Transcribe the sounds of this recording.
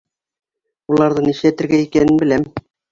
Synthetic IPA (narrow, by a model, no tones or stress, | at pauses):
ulˠɑɾðɤniʃlæt̪ɘ̆ɾɡæikænɘnbɘ̆læm